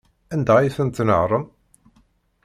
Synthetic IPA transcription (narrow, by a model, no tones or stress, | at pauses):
ænd̪æjθənt̪nəʕɾˤəm